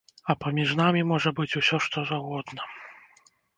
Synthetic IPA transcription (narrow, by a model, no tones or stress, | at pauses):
ɐpɐmʲiʐnamʲimɔʐɐbɨt͡sʲusʲɔʂt̪ɔzaɣɔd̪nɐ